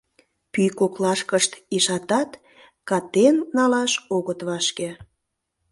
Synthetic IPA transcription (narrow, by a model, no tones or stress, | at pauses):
pyjkoklɑʃkəʃt̪iʃɑt̪ɑt̪ | kɑt̪enːɑlɑʃoɣət̪βɑʃke